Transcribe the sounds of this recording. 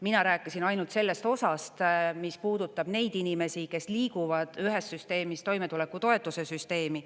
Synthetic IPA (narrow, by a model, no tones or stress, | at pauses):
minɑɾæːkːˑisinɑjnult̪se̞lːe̞st̪o̞sɑst̪mispuːd̪̥ut̪ːˑɑb̥ne̞jd̪inime̞sike̞sliːkuvɑd̪̥yɦe̞ssyst̪e̞ːmist̪o̞jme̞t̪ule̞kːˑut̪o̞e̞t̪ːˑuse̞syst̪e̞ːmi